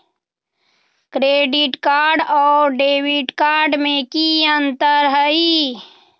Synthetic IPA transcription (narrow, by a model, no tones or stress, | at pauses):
kɾeːɖiʈkaːɾɖɔːɾɖeːwiʈkaːɾɖmẽkiənt̪əɾɦəi